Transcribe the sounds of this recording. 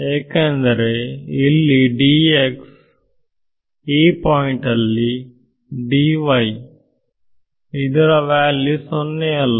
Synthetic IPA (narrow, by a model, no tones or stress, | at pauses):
eːkɐnd̪ɐɾeilːiɖiːeks | iːpɔːiɳʈɐlːi | ɖiːʋɐj | id̪ɐɾɐʋaːlːisonːeɐl